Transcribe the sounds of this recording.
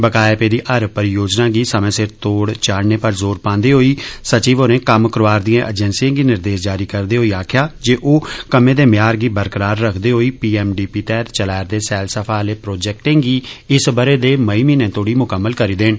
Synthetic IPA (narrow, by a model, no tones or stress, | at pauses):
bəkaːepeːd̪iːʔəɾpəɾjoːd͡ʒnãːɡiːsəmẽːsɪɾt̪oːɽt͡ʃaːɽneːpəɾzoːɾpãːnd̪eːɦoːiːsət͡ʃiːʋoːnẽːkəmkəɾoʋaːɾd̪ijãːʔəd͡ʒɛ̃ːnsiãːɡiːnɪɾd̪eːsd͡ʒaːɾiːkəɾd̪eːɦoːiːaːkʰɪjaːd͡ʒeːʔoːkəmẽːd̪eːmjaːɾɡiːbəɾkəɾaːɾːəkʰd̪eːɦoːiːpiːɛːmɖiːpiːt̪ɛːt̪t͡ʃəlaːɾd̪eːsɛːlsəpʰaːleːpɾoːd͡ʒɛːk̚ʈẽːŋɡiːɪsbəɾeːd̪eːməiːmiːnẽːt̪oːɽiːmʊkəmːəlkəɾiːd̪eːɳ